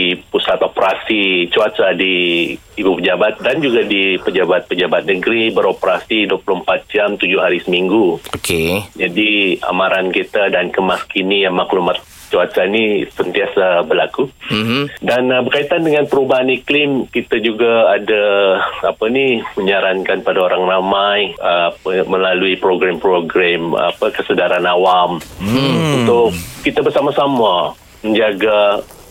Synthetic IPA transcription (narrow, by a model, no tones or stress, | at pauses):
ipusat̪opəɾasit͡ʃuasadiː | bupəd͡ʒabat̪̚dand͡ʒuɡadipəd͡ʒabat̪̚pəd͡ʒabat̪̚nəɡɾibəɾopəɾasidupuluəmpat̪̚d͡ʒamt̪ud͡ʒʊhɦaɾisəmiŋɡuoked͡ʒadia̰maɾankit̪adankəmaskinijaŋmaklumat̪̚ | t͡ʃuasanisənt̪iasabərlaku | danbərkait̪andəŋanpəɾubaɦaniklɪmkit̪ad͡ʒuɡaadaapaniməɲaɾankanpadaoɾaŋramajəməlaluipɾoɡɾampɾoɡɾama̰pəkəsədaɾanawam | unt̪ʊkːit̪abərsamasama | məɲd͡ʒaɡa